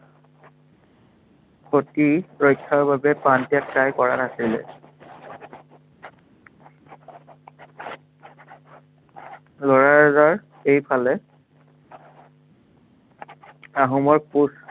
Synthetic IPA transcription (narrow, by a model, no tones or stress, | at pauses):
kʰotiɹɔjkʰːaɹbabɛpantijat̚kajkɔɹanasilɛ̰ | lɔɹaɹɛzaɹ | ejpʰalɛ | aɦumɔɹpus